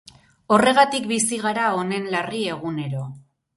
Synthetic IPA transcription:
o̞re̞ɣat̪ikbisiɣaɾao̞ne̞nlarie̞ɣ̞une̞ɾo̞

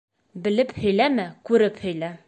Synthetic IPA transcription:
bɘ̆lɘphɵ̆jlæmɘkʉɾɘphɵ̆jlæ

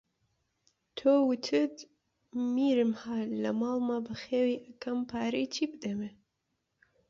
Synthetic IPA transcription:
t̪ʰoːwɨt̪ʰɨd̪ | miːɾɨmhalɐmɑːlmabɨxeːwiʔɐkʰɐmpʰaːɾit͡ʃʰibd̪ɐme

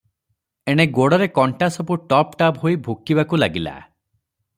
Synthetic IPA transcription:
eɽ̃eɡoɽɔɾekɔɳʈasɔpuʈɔpʈabɦojbʱukibakulaɡila̰

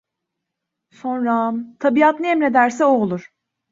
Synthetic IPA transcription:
so̞nɾamt̪ʰabiat̪niɛmɾe̞d̪æɾsɛolˠuɾ̥

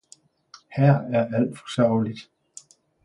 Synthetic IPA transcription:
hæɐ̰æɐʔæl̰d̥fɒ̽sœʊ̰lid̥

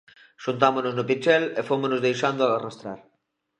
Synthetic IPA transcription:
ʃunt̪amonoznopit͡ʃɛlefomʊnozðejʃand̪ʊaarast̪ɾa̰ɾ

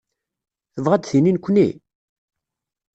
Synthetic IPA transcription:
θəvʁæd̪θininkʷːnḭ

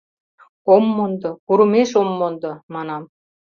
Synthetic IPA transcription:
omːond̪ɤ̆kuɾumeʃomːond̪ɤ̆mɑnɑm

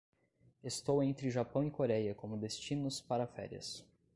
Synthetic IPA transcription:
est̪owẽnt̪ɾɪʒapɐ̃w̃ikoɾɛjɐkõmʊd̪est͡ʃinʊspaɾɐfɛ̰ɾiɐ̰s

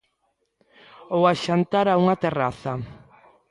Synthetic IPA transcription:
owaʃant̪aɾauŋat̪eraθɐ

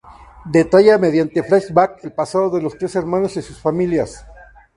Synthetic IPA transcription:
d̪et̪aʝameðjant̪efɾajsbakelpasaðoðe̞lo̞st̪ɾe̞seɾmanosesusfamiljas

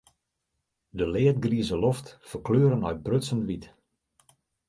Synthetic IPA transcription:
dəlɪət̚ɡriəzəlɔftfərkløːɾənœɥt̚brøsənʋit

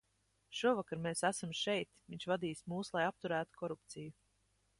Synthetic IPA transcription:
ʃuɔvakaɾmeːsæsamʃɛjt̪viɲʲʃvad̪iːsmuːslˠajap̚t̪uɾæːt̪u̥kʰɔɾupt̪siju

